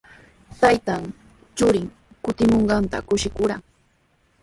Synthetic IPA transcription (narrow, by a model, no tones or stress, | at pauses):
t̪ajt̪an | t͡ʃʊɾɪŋ | kʊt̪ɪmoɴɢɑnt̪a̰kʊʃɪkʊɾaŋ